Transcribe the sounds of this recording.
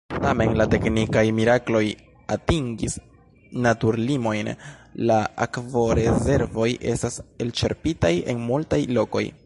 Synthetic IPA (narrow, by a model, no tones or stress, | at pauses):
tame̞nlate̞knikajmiɾaklo̞j | atiŋɡis | natuɾlimo̞jnlaakvo̞ɾe̞ze̞ɾvo̞jʔe̞̰stase̞lt͡ʃe̞̰ɾpitaje̞̰nmultajlo̞ko̞̰j